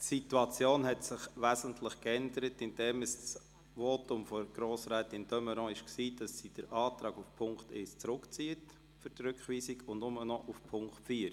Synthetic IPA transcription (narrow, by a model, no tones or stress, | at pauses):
situɑt͡sjoːnhɛtsɪχʋæːzəntʰlɪχkɛndəɾətɪnd̥ɛməss | ʋoːtʊmfɔɡ̥ɾoːsɾɛːtɪnd̥œməɾɔ̃ɪʃksiːd̥ɑsːid̥əɾɑːtɾɑːɡufpʰʊŋkteːst͡sɾʊkt͡siːət | fʏɾtrʏkχʋiːsiɡʊndnʊmənɔʔufpʰʊŋktfiːɾ